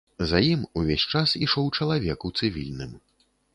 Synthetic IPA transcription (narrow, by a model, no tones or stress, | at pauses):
zajimuvʲesʲt͡ʂasiʂɔwt͡ʂɐlˠavʲɛkut̪sɨvʲḭlʲnɨm